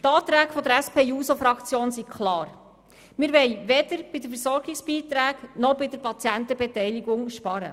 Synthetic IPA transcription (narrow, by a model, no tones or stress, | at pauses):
t̪ɑːt̪ɾæːɡ̥fɔd̪əɾæspʰeːuːsofɾɑkt͡sjoːnsikʰχlɑːɾ | mɪːɾʋɛɪjʋɛd̥əɾb̥ɪdəfəɾsɔɾɡɪksb̥iːt̪ɾæːɡnɔbɪdəɾpɑt͡sjænt̪əbɛtɛjliɡʊŋʃpɑɾə̰